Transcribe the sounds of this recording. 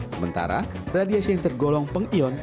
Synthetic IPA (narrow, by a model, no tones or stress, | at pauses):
səmənt̪a̰ɾa̰ | radiasiaŋt̪ərɡɔlɔŋpəŋiɔn